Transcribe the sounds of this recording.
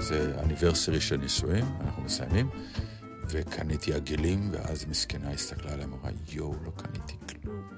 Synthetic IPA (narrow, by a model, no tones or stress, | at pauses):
zea̰niveʁsiʁiʃelnisujima̰naχnumesajamim | vekʰanit̪iaɡelimvḛʔa̰zmiskenaist̪aklaleamaʁa̰jowlo̞kʰanit̪i̥kla